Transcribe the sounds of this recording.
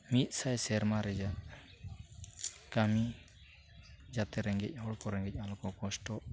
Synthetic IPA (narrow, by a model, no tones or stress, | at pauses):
mit̪̚ˀsajsɛɾmaɾɛd͡ʒaʔ | kami | d͡ʒat̪ɛɾɛŋɡɛc̚ˀhɔɽkɔɾɛŋɡɛc̚ˀalɔkɔkɔsʈɔʔ